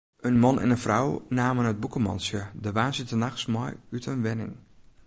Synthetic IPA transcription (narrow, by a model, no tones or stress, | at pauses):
ʔənmɔnʔɛ̰nənfrawnaːmənəd̚bukəmɔ̰nsjədəʋaːnsɪtənaxsmɔjytʰənʋɛnɪ̰ŋ